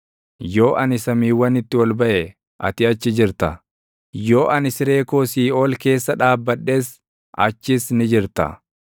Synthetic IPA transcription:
jo̞ːʔɐnɪsɐmiːwːɐnɪt̪ːɪwɐlbɐʔɛ | ʔɐ̰t̪ɪɐt͡ʃːɪd͡ʒɪɾt̪ɐ | jo̞ːʔɐnɪsɪɾe̞ːkoːsiːo̞ːlke̞ːsːɐᶑaːbːɐᶑːe̞ːs | ʔɐ̰t͡ʃːɪsnɪd͡ʒɪɾt̪ɐ̰

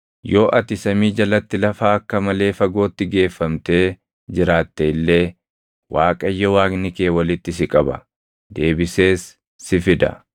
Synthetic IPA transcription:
jo̞ːʔɐt̪ɪsɐmiːd͡ʒɐlɐt̪ːɪlɐfaːɐkːɐmɐle̞ːfɐɡo̞ːt̪ːɪɡe̞ːfːɐmt̪e̞ː | d͡ʒɪɾaːt̪ːeɪlːe̞ː | waːkʼɐjːɐwaːknɪke̞ːwɐlɪt̪ːɪs̬ɪkʼɐbɐ̰ | d̪e̞ːbɪse̞ːsː | ɪfɪd̪ɐ̰

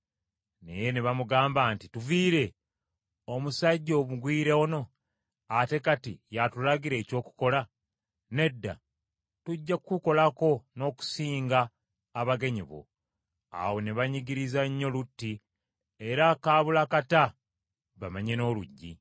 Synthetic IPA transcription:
ne̞̰je̞neβamuɡaːmbaːntituviːɾe̞ | o̞musaɟːo̞βuɡwiːɾeono̞ | ate̞katḭjatulaɡiɾe̞ːco̞ːku̥ko̞la | ne̞dːa̰ | tuɟːakuko̞lako̞no̞ːku̥siːŋɡaː | βaɡe̞ɲiβo̰ | a̰wo̞neβaɲiɡiɾizaɲːo̞lutːi | e̞ɾakaːβulakata | βamaɲe̞no̞ːluɟːḭ

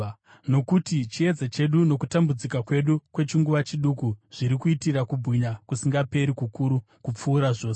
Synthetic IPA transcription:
no̞kutit͡ʃie̞d͡zat͡ʃe̞ɗuno̞kutambud͡zikakwe̞ɗukwe̞t͡ʃiŋɡuʋat͡ʃiɗukuʐ̥iɾikuitirakubʱiɲakusiŋɡape̞ɾikukuɾu | kup͡fuːɾaʐo̞ːs

